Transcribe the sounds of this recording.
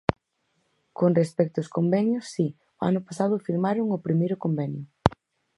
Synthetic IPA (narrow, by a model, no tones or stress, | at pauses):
konrespɛk̚t̪ʊskombɛɲjʊsːi | ʊa̰nʊpasað̞ʊfiɾmaɾʊŋʊpɾimejɾʊkombɛnjʊ